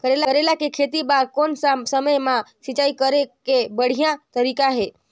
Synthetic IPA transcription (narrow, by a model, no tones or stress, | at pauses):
kəɾelaəɾelakekʰet̪ibakonssəməjmãʃit͡ʃaikəɾekebəɽ̤ijãt̪əɾikaɦe